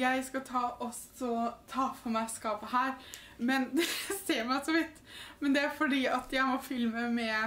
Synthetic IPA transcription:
jæɪskɑt̪ʰɑːʔɔs | ɔt̪ʰɑːfɔɾmæɪskɑːpəhæːɾ | mɛnseːmæɪsɔʋɪt̪ːmɛnd̪ɛæɾfɔɖiːɑt̪jæɪmɔfɪlməmɛ

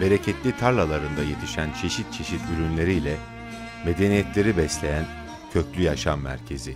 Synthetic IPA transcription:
be̞ɾe̞cʰɛt̪lʲit̪ʰaɾlˠalˠaɾɯnd̪aje̞t̪ʰiʃænt͡ʃʰe̞ʃit̪̚t͡ʃʰe̞ʃit̪yɾynlʲe̞ɾijlʲɛ | me̞d̪e̞nijɛt̪lʲe̞ɾibɛslʲe̞jæn | cʰø̞clʲyjaʃamːæ̰ɾcʰe̞zɪ

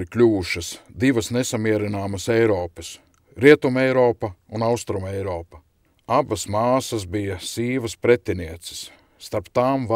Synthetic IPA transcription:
iklʲuːʃɐsd̪iʋɐsnesamiɛɾinaːmɐsɛjɾɔːpɐs | ɾiɛt̪umɛjɾɔːpɐunawst̪ɾumɛjɾɔːpɐ | abɐsmaːsɐsbijɐsiːʋɐspɾet̪ʲːiniɛt̪sɪ̥sː | t̪aɾpt̪aːmv

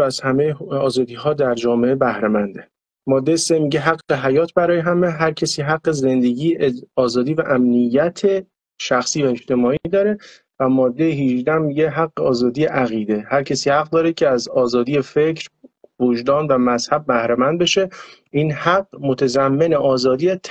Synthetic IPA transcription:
æzhæmejeɒːzɒːd̪iːɦɒːd̪æɾd͡ʒɒːmeʔebæhɾemænd̪e | mɒːd̪ːe̞jese̞miɟeɦæɡeɦæjɒːt̪ʰbæɾɒːjeɦæmeɦæɾcʰesiːɦæɡːeze̞nd̪e̞ɟiːɒːzɒːd̪iːvæʔæmnijːæt̪ʰe̞ | ʃæxsiːvæe̞d͡ʒt̪e̞mɒːid̪ɒːɾe̞ | væmɒːd̪ːe̞jeɦiʒd̪æmːiːɟeɦæɡːeɒːzɒːd̪iːeʔæɣiːd̪e̞hæɾcʰesiːhæɣ̚d̪ɒːɾecʰe̞æzɒːzɒːd̪iːjefe̞cʰɾvod͡ʒd̪ɒːnvæmæz̥hæb̚ːæhɾemænd̪̚be̞ʃe̞ʔinhæɡːmot̪ʰæzæmːe̞neʔɒːzɒːd̪iːæt̪ʰ

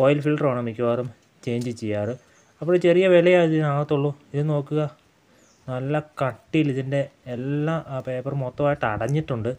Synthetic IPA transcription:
oːjlfilɖroːɳɐmikʲːuʋaːrum | t͡ɕe̞ːɲd͡ʑɨt͡ɕejːaːrɨ | ɐpːoɽt͡ɕe̞rijɐʋelɐjaːiðinaːwɐt̪ːoɭːuiðɨno̞ːkːuɣɐ | nɐlːɐkɐʈːijiliðinde̞ːlːape̞ːpːɐrmot̪ːɐmaːjiʈːɐɽɐɲːiʈːuɳɖɨ

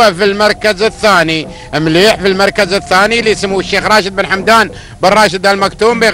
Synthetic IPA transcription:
æfilmɑɾˤkəzəθːæni | mliħfilmɑɾˤkəzəθːænilijsəmːuʃːeːxɾˤɑːʃəd̪̚bənħamd̪aːn | bərˤːɑʃəd̪ælmækt̪uːmbi

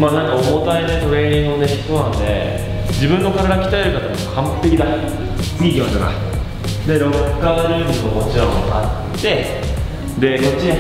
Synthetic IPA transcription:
maːnãŋkaomot̪aine̞t̪o̞ɾe̞ːɲ̟ʲĩŋɡɯone̞çi̥t̪onãnd̪e̞̰ | d͡ʑibɯ̟̃nːo̞kaɾaɾakʲi̥t̪aeɾɯ̟kat̪amokʰãmpp̪e̞kʲid̪a | iɡʲõːt̪oɡa̰ | d̪e̞ɾo̞kːaːɾʲiːɡɯ̟okot͡ɕiɾamoka̰t̪ːe̞ | d̪e̞kot͡ɕːia

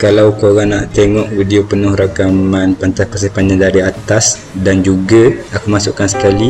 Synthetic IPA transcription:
kalawkoɣaŋnaʔt̪eŋɔʔwidiopənʊhɾakamanpant̪askəsehpaɲãdaɾiat̪as | dand͡ʒuɡaakumasuʔkansə̥kali

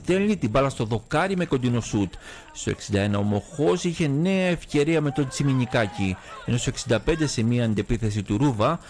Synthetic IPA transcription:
θe̞lnit̪ibɐlɐst̪o̞ðo̞kɐɾime̞kond̪ino̞sut̪ | st̪o̞e̞̰ksind̪ɐe̞nɐo̞mo̞xo̞siçe̞ne̞ɐe̞fce̞ɾiɐme̞t̪o̞nt͡simiɲikɐcienosoeksind̪ɐpe̞nd̪e̞se̞miɐːnd̪e̞piθe̞s̬it̪uɾuvɐ

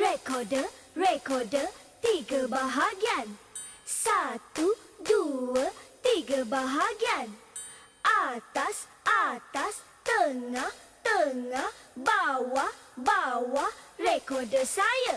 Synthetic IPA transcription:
rekɔdə | rekɔdə | t̪iɡabaɦaɡian | sat̪u | duət̪iɡabaɦaɡian | ʔat̪as | ʔat̪as | t̪əŋah | t̪əŋahbawabawarekɔrdəsaja

